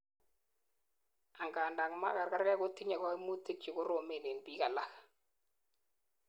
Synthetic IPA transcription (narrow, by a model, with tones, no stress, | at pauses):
a˨ŋɡaː˨nda˨ŋma̰˦ka˨ɾka˦ɾkɛ˦kʊ˦ti˦ɲa˨kɔ˦i˦mu˦ti˦k̚t͡ʃɪ˨kʊ˦ɾo˨me˨ne˨npi˦ka˨la˦x